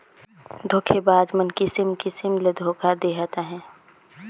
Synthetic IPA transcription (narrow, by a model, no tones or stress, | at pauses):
d̪ʱoːkʰebaːd͡ʒmənkisɪmkɪsɪmled̪ʱoːkʰad̪eːɦat̪aɦɛ̃ː